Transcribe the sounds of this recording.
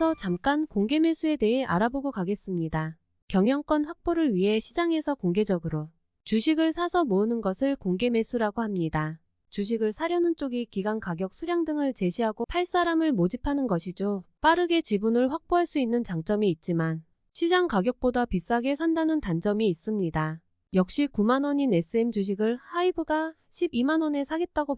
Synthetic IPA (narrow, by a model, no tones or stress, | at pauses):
sʰʌt͡ɕamk͈ankoŋɡe̞me̞sʰue̞de̞ɦe̞ʔa̰ɾaboɡokaɡe̞s͈ɯmɲida | kjʌŋjʌŋk͈ʌnɸwak̚p͈oɾɯɭɥiɦe̞ɕʰid͡ʑaŋe̞sʰʌkoŋɡe̞d͡ʑʌɡɯɾo | t͡ɕuɕʰiɡɯɭsʰasʰʌmoɯnɯnɡʌsʰɯɭkoŋɡe̞me̞sʰuɾaɡohamɲida | t͡ɕuɕ̬ʰiɡɯɭsʰaɾjʌnɯnt͡ɕ͈oɡikiɡankaɡjʌk̚sʰuɾjaŋdɯŋɯɭt͡ɕe̞ɕʰiɦaɡopʰaɭs͈aɾamɯɭmod͡ʑipʰanɯnɡʌɕʰid͡ʑop͈aɾɯɡe̞t͡ɕibunɯɭɸwak̚p͈oɦaɭs͈uinːɯnt͡ɕaŋt͡ɕ͈ʌmiːt̚t͡ɕ͈iman | ɕʰid͡ʑaŋkaɡjʌk̚p͈odapis͈aɡe̞sʰandanɯntand͡ʑʌmiːs͈ɯmɲida | jʌk̚ɕ͈ikumanwʌɲine̞s͈ʰɯemd͡ʑuɕ̬ʰiɡɯɭhaibɯɡa | ɕʰibimanʌne̞sʰaɡe̞t̚t͈aɡop